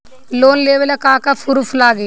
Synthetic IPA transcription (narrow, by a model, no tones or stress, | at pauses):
loːnleːʋɐlɐkaːkɐpʰuɾuflaːɡi